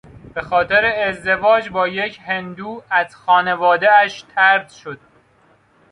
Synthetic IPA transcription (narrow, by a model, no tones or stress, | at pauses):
b̥e̞xɒːt̪ʰe̞ɾe̞ːzd̪e̞vɒːd͡ʒbɒːje̞cʰhend̪uːæz̥xɒːne̞vɒːd̪eæʃt̪ʰæɾd̪ʃo̞d̪̥̚